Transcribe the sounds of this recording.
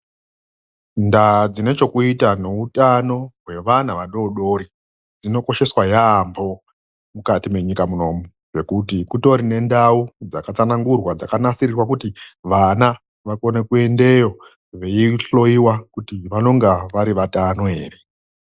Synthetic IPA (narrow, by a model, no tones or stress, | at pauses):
ndad͡zine̞t͡ʃo̞kuitane̞utano̞ɦwe̞ʋanaʋaɗo̞ɗo̞ɾi | d͡zino̞ko̞ʃe̞swajaːmbo̞ | mukatime̞ɲikamuno̞ːmu | ʐe̞kutikuto̞ɾine̞ndaud͡zakat͡sanaŋɡurwad͡zakanasirirwakutiʋana | ʋako̞ne̞kue̞nde̞jo̞ | ʋe̞iɬo̞iwakutiʋano̞ŋɡaʋaɾiʋatanoe̞ːre̞